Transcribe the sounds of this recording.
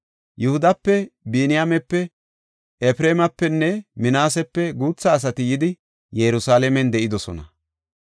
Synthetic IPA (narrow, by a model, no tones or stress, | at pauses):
jʊhʊd̪ɐpːɛbiːnɪjamɛpːɛ | ɛfɾeːmɐpːɛnːɛmɪnaːsɛpːɛɡuːt͡sːɐːs̬ɐt̪ɪjɪd̪ɪ | jɛɾʊsaːlɛmɛnd̪ɛʔɪd̪ɔsɔ̰nɐ